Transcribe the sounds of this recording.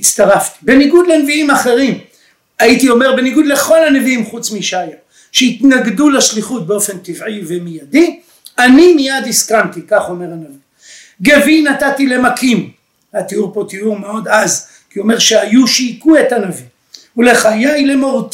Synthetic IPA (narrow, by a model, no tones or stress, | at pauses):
t͡st̪aʁaft̪i̥be̞niɡud̪lenviimaχe̞ʁim | aitio̞me̞ʁbe̞niɡud̪le̞χo̞laneviimχut͡smiʃaja | ʃeit̪naɡdulaʃliχut̚beo̞fe̞nt̪ivʕivemijadi | animijad̪iskant̪ikaχo̞me̞ʁhanavi | ɡe̞vinatatile̞makim | atiuʁpo̞t̪iuʁmeo̞d̪az | kio̞me̞ʁʃeajuʃikue̞tanavi | uleχajajle̞moʁut̪